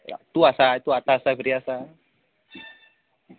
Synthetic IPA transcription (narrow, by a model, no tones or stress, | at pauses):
a̰t̪uasait̪uat̪asabəɾiasa